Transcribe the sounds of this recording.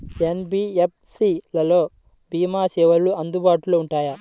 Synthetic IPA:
enbiːep̚ʰsilɐlo̞ː | biːmaːsɛːʋɐɭːuʔɐnd̪ubaːʈuloːuɳʈaːjɐ

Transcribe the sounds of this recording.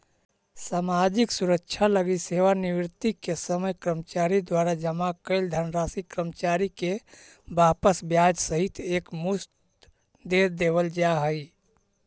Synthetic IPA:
samad͡ʒiksuɾəkːt͡ʃʰaləɡiseʋaniʋɾt̪ikesəməjkɾəmt͡ʃaɾid̪waɾad͡ʒəmakəɪld̪ʱənɾasikɾəmt͡ʃaɾike | bapəsbjad͡ʒsəɦit̪ekmust̪ | d̪ed̪ebəld͡ʒaɦəj

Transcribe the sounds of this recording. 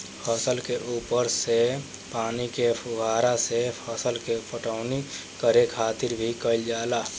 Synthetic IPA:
pʰəsəlkeʔuːpəɾse | paːnikepʰʊɡʱaːɾasepʰəsəlkepəʈəʊnikəɾekʰaːt̪ɪɾbʱikəɪld͡ʒaːlaː

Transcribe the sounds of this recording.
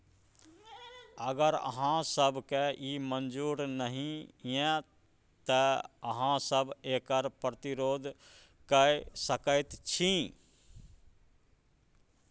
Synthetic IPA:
əɡəɾə̰ɦãsəbkeiːmənd͡ʒuːɾnəɦĩɛ̃ | t̪əəɦãsəbeːkəɾpɾət̪ɪɾoːd̪ʱ | kəesəkəɪt̪t͡ʃʰĩ

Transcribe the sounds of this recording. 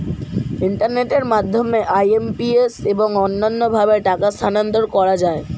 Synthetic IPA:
iɳʈaɾneʈeɾmad̪ʱːomeʔajempieseboŋonːanːobʱabeʈakast̪ʰanand̪oɾkɔɾad͡ʑae

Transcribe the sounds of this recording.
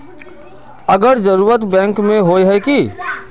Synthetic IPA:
əɡəɾd͡ʒəɾuːɾət̪bɛ̃ːŋkmẽɦoːeɦɛki

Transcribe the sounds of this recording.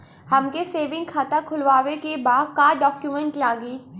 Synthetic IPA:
hɐmkeseːʋɪ̃ŋɡkʰaːt̪akʰʊlʋaːʋekebaːd̪kaːɖɔːkjumə̃ɳʈlãːɡiː

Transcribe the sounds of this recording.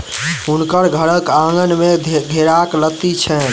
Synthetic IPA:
ɦunkəɾɡʱəɾəkãŋɡənmed̪ʱeɾaklət̪it͡ʃʰɛn

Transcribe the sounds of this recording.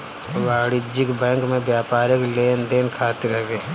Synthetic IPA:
ʋaːɽɪd͡ʒɪkbɛ̃ːŋkmẽbjaːpaːɾəkleːnd̪eːnkʰaːt̪ɪɾɛɡeː

